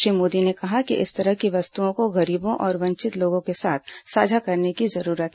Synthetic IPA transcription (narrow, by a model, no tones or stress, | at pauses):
iːmoːd̪inekɐɦakḭʔɪst̪ɐɾəɦkiʋɐst̪uõkoɣɐɾiːbõʔɔːɾʋɐ̃ɲt͡ʃɪt̪loːɡõkesaːt̪ʰsaːd͡ʒʱakɐɾnekizɐɾuːɾət̪